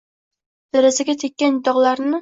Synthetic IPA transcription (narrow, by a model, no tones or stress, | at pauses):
d̪̥aɾazɪɡʲat̪ʰekʲːand̪ɒʁlˠaɾnɪ